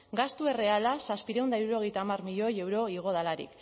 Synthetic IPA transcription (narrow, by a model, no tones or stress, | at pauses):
ɡast̪ue̞re̞alasaspiɾe̞wnd̪aiɾuɾo̞ɣe̞jt̪aːmarmiʎo̞je̞wɾo̞iɣ̞o̞ð̞alaɾḭk